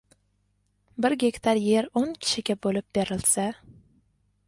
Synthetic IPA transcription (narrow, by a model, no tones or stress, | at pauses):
bɪɾɡʲe̞kʲt̪ʰaɾje̞ɾoŋkʲʰɪ̥ʃɪɡʲabolɪp̚b̥eɾɪlsa